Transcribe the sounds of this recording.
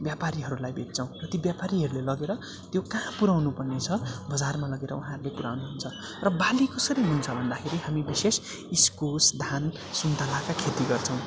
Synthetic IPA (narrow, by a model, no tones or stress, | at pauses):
bjapaɾiɦʌɾulajbʱet̪̚t͡sʰʌ̃w̃rʌt̪ibjapaɾiɦʌɾulelʌɡeɾʌ | t̪jokãpuɾawnupʌrnet͡sʰʌbʌd͡zarmalʌɡeɾʌ̰uɦãʌɾulepuɾawnuɦunt͡sʰʌ | rʌbalikʌsʌɾiɦunt͡sʰʌbʱʌnd̪akʰeɾiɦamibises | iskusd̪ʱan | sunt̪alakakʰet̪iɡʌrt͡sʰʌ̃w̃